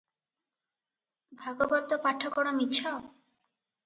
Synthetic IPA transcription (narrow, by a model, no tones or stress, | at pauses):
bʱaɡobɔd̪opaʈʰːokɔɽomit̪ːɕʰao